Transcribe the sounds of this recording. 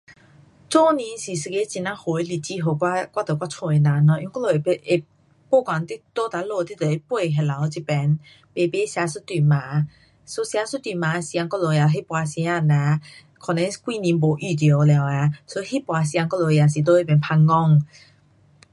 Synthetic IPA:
t͡so˦nĩ˧˦si˨sə˧ke˧˦t͡ɕi˧˨nã˧˦ho˨˩e˧li˧˩t͡ɕi˧˦ɦo˨˩kwa˧kwa˦˧t̪ə˨˩kwa˦˥˩t͡sʰo˧˨e˨nã˨nɔ˧˦ʔjɔ˧˦ŋkɔ˥lo˨e˧ʔe˨ | po˥˧˨kwa˨˦nt̪i˦t̪o˦t̪a˨˧˦lo˧˨t̪i˦t̪ə˨e˦pwe˥˧˨ɦɛ˧la˨˦wt͡ɕi˨pɛ˨˦n | pe˧˨pe˦sja˧su˦˥t̪wi˨˩mã˨˦ | so˧˦sja˧˦su˦t̪wi˨˩mã˨˦˧sjã˧ŋkɔ˥˧lo˨˧˨ja˨˧ɦi˦pwa˧sĩ˧˦ã˥˧˨nã˨˧˦ | kʰɔ˨˩nɛ̃˨˧˦kwi˧˨nĩ˧nbo˨˩ʔi˧˩t̪jo˨˦˧lja˨wa˨˧˦so˧˦hi˦˥pwa˨˧s̬ja˧ŋkɔ˥˦lo˨˧˨ja˨˩s̬i˨t̪̬o˧˦e˧˩pɛ˨˧npʰaː˧ɔ˥˧˨ŋ

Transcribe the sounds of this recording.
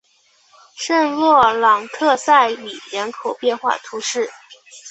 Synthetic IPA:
ʂə˥˧ŋɻwɔ˥˩lɑ˨˩ŋt̪ʰɤ˥˧sa˥˩ɪli˨˩ɻə˧˥nkʰo˨˩ʊpjɛ˥˧nxwa̰˥˩t̪ʰu˧˥ʂɻ̩˥˩

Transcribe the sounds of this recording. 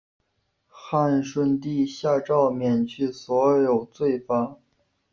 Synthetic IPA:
xa˥˧nʂwə˥nt̪i˥˧ɕja˥˧ʈ͡ʂɑ˥˩ʊmjɛ˨˩nt͡ɕʰy˥˩swɔ˧˥jo˨˩ʊt͡swe˥˩ɪfa˥

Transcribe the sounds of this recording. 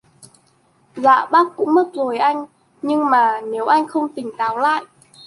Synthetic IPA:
za̰ː˧˨ɓaː˦˥kkʊ̰˧˥ŋ͡mmə˦˥t̚zo˨˩jʔa˧jŋ̟ | ɲɨ˧ŋmaː˨˩ne˨˦wʔa˧jŋ̟xə˧wŋ͡mt̪ï˨˩ŋ̟t̪aː˨˦wla̰ː˧˨jʔ

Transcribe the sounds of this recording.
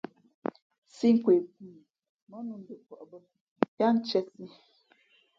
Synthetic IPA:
si˦ŋ̩˦kwe˨b̚u˦˨ | mɔ˦nu˨n˨də˨kwɔ˨ʔbə˦ | jja˦n̩˦t͡ʃɛ˦si˦

